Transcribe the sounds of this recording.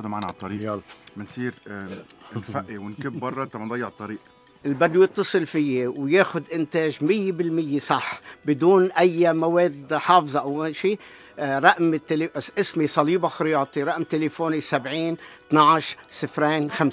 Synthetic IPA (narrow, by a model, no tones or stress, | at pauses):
ʊd̪maaːnaʕalt̪ˤːɑɾiːʔmɪnsˤiːɾ | nfaʔːiwɪnkɪbːɑrˤːɑt̪ːamand̪ˤɑjːɪʕt̪ˤːɑɾiːʔ | ʔɪlbad̪ːʊjɪt̪ːɑsˤɨlfɪjːewjeːxʊd̪ʔɪnt̪eːʒmɪjːebɪlmɪjːesˤɑħbɪd̪uːnʔajːamaweːd̪ħɑːfzˤɑʔawaʃiː | ɾˤɑʔmɪt̪ːeleʔɪsmisˤɑliːbaxɪɾɪjɑːt̪ˤiɾɑʔmt̪elefoːnisabʕiːnt̪naʕaʃɾsɨfɾeːnxams